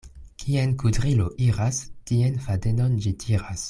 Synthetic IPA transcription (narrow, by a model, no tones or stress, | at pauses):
kʰienkudʁiloʔiɾastienfadenond͡ʒitʰiɾas